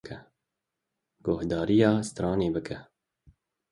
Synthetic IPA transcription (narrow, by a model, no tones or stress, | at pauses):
kɛ | ɡ̥ohd̪ɑːɾijɑːst̪ɾɑːneːbɨkʰɛ